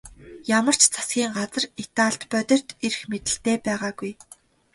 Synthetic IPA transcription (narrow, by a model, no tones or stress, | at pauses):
jamə̆r̥t͡ɕt͡sʰḁsɡʲiːŋɢat͡sə̆ret̪aːɬt̪pœt̪ʲɞ̆r̥t̪er̆xmet̪ɘ̆ɬt̪eːpæːʁaːɡuj